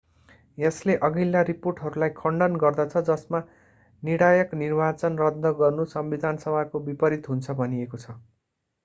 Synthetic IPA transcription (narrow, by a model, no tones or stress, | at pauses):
jesleʔʌɡilːaɾiporʈɦʌɾulajkʰʌɳɖʌnɡʌrd̪at͡sʰʌd͡zʌsma | niɽajʌknirbat͡sʌnrʌd̪ʱʌɡʌrnusʌmbid̪ʱansʌbʱakobipʌɾit̪ɦunt͡sʰʌbʱʌnijekot͡sʰʌ